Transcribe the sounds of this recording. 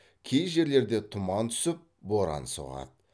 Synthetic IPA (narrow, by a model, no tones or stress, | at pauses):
kʲʰejʒe̞ɾle̞ɾd̪e̞t̪ʰʊmɑnt̪ʰʏ̥sɪp̚boɾɑ̰nso̰ʁɑ̰d̪